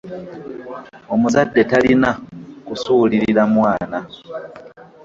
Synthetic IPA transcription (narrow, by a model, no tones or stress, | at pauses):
o̞muzadːe̞talinakusuːliɾiɾamwaːna